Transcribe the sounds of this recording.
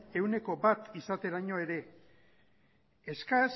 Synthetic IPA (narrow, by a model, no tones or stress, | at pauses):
e̞wne̞ko̞bat̪isat̪e̞ɾaɲo̞e̞ɾe̞ | eskas